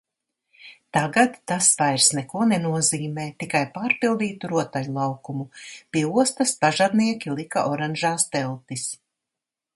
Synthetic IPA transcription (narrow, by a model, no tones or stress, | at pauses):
t̪aɡat̪ːasvajɾsnɛkuɔnɛnuɔziːmɛːt̪ikajpaːɾpilˠd̪iːt̪uɾuɔt̪aʎulˠawkumupiɛuɔst̪ɐspaʒad̪niɛkʲilˠikaʔɔɾanʒaːst̪ɛlˠt̪is